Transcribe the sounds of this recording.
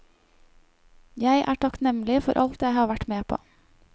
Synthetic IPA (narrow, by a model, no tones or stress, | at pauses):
jæɪʔæ̰ːʈʰɑknɛmlɪfɔɾʔɑ̰lt̪jæɪhɑːʋæʈmeːpʰo̰ː